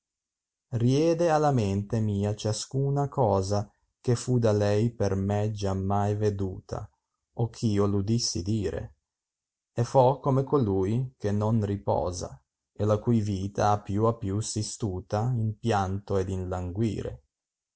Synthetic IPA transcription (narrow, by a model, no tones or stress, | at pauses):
rjɛːd̪ealament̪emiːat͡ʃaskuːnakɔːza | k̟efud̪alɛjpermɛd͡ʒamːajved̪uːt̪ʰa̰ | ok̟ʰːiːolud̪isːḭd̪iːɾḛ | ɛfɔkːomekoluːjk̟enːonripɔ̰ːza̰ | elakujviːt̪ʰa̰apːjuapːjusist̪uːt̪aimpjant̪oed̪inlaŋɡwḭːɾḛ